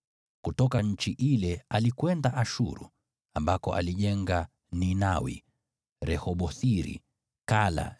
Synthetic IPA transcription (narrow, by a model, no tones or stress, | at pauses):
kutɔkaɲ̩t͡ʃiʔilɛalikwɛndaʔaʃṵɾṵ | ambakɔ̰ʔa̰liʄɛŋɡa | ninawḭ | ɾɛhɔɓɔθiɾḭ | kala̰